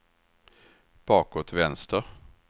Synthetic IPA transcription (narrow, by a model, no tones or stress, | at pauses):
b̥ɑːkot̪vɛnst̪əɾ